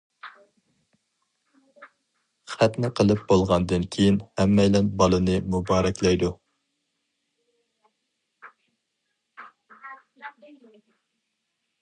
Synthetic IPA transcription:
χæt̪nɪqʰəlˠɨp̚bolˠʁɑnd̪ɨnkʲʰejinhɛmːɛjlɛnbɑlˠɨnɨmubɑːɾɛkʲlɛjd̪u

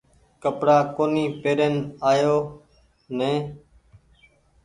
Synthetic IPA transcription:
kəpɽaːkoːniːpeːɾenaːjoː | nẽː

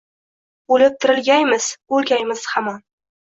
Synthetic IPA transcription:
ulɪp̚t̪ʰɪɾɪlɡʲajmɪz̥ɵlɡʲajmɪz̥hamɒn

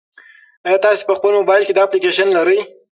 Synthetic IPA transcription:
ajɑt̪ɑse̥pəxpəlmobɑjlked̪ɑːplikeʃanlaɾəj

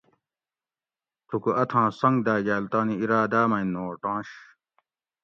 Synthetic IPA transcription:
t̪ʰukuʔɐt̪ʰãːsɐ̃ŋɡd̪aːd͡ʑaːlt̪ãːniiɾaːd̪aːmɐĩnoːɾʈãːɕ

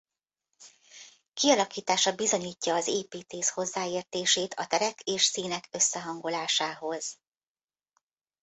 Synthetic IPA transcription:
kiɒlɒkiːt̪aːʃɒbizo̞ɲiːcːɒːzeːpiːt̪eːsho̞zːaːeːrt̪eːʃeːt̪ʰɒt̪ɛɾɛkʰeːʃsiːnɛkø̞sːɛɦɒŋɡo̞laːʃaːɦo̞z̥

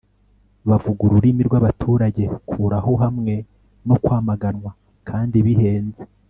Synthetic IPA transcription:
βavuɡuɾuɾimiɾɡwaβatʰuːɾaɟe̞kʰuːɾaɦo̞ɦamŋe̞ | nokwaːmaɡanwa | kʰaːndiβihe̞ːnze

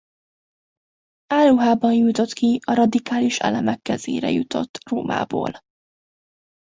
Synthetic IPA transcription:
aːluɦaːbɒnjut̪o̞t̪kiɒɾɒd̪ikaːliʃɛ̰lɛmɛkːɛzḛːɾɛ̰jut̪o̞̰t̪ːroːmʔa̰ːbo̰ːl

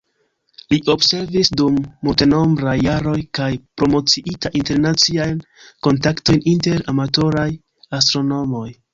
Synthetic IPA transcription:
liʔo̞bse̞ɾvisdumːulte̞no̞mbɾajːaɾo̞jkajpɾo̞mo̞t͡siʔitaʔinte̞ɾnat͡siajn | ko̞ntakto̞jninte̞ɾamato̞ɾaj | astɾo̞no̞mo̞j

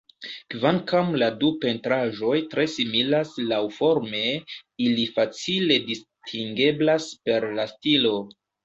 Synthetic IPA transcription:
kvaŋkamladupe̞ntɾaʒo̞jtɾe̞similaslawfo̞ɾme̞ilifat͡sile̞distʰiŋɡe̞blaspe̞ɾlastilo̞

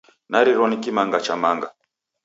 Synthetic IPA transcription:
naɾiɾɔnikimaŋɡat͡ʃamaŋɡa̰

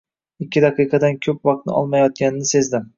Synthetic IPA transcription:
ɪkʲːɪd̪ɑqʰɨjqʰɑd̪ankʲʰɵp̚vɑq̚t̪̚nɪ̰ɒ̰lˠmajɒt̪̚kʲanɪnɪse̞zd̪ɪm

